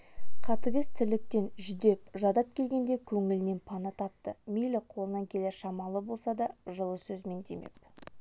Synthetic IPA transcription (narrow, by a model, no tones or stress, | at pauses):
qʰɑt̪əɡʲəzt̪ʰɪlɪk̚t̪e̞nʒʏd̪e̞pʒɑd̪ɑp̚kʲʰe̞lɡʲe̞nd̪e̞kʲʰɵŋɪlɪne̞npʰɑnət̪ʰɑp̚t̪əmijlɪqʰo̞lˠənɑŋkʲʰe̞leɾʃɑmɑlˠəbo̞lˠsɑd̪ɑʒəlˠəsɵzme̞nd̪eme̞̰p̚